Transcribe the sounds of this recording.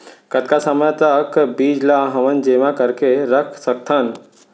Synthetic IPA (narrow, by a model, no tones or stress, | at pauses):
kət̪̚kasəməjt̪əkbiːd͡ʒlaɦɐʋənd͡ʒeːʋãkəɾkeɾəkʰsək̚t̪ʰan